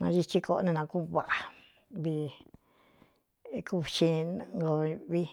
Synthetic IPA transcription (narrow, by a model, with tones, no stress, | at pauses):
nã̰˧ʒi˧t͡ʃi˧ko˧ʔo˧nĩ˧nã˧ku˦˧βa˨ʔa˨ | βi˧ | ku˦˧ʃĩ˧ŋɡo˧βi˦